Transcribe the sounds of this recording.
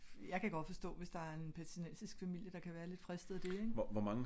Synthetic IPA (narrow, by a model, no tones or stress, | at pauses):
jɑ̈ɪkʰæɡ̥ɒ̽d̥fɒ̽sd̥ɔ̰ːʋe̝sd̥ɑ̈æɐe̝npʰæsʰinensisɡ̥fæmil̰jəd̥ɑ̈kʰæʋæːɐle̝d̥fʁɛsd̥ð̩ˠd̥e̝eŋ̥ɒʋɒmɑ̈ŋə